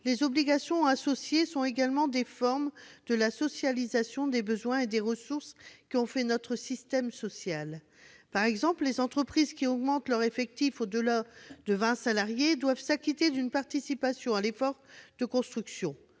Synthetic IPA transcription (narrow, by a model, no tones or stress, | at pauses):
lezɔbliɡasjɔ̃asɔsjesɔ̃eɡalmɑ̃d̪efɔʁmd̪̥əlasɔsjalizasjɔ̃d̪ebəzwɛ̃ed̪eʁəsuʁskʲiɔ̃fɛnɔt̪χəsist̪ɛmsɔsjal | paʁɛɡzɑ̃pllezɑ̃t̪χəpχizkʲiɔɡmɑ̃t̪lœʁefɛk̚t̪ifod̪əlad̪əvɛ̃salaʁjed̪wavsakʲit̪ed̪ynpaʁt̪isipasjɔ̃alefɔʁd̪̥əkɔ̃st̪χyksjɔ̃